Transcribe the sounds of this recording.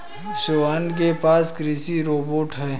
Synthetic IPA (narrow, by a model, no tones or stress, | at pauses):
soank̬epaːskɾisiɾoːboːʈɦɛː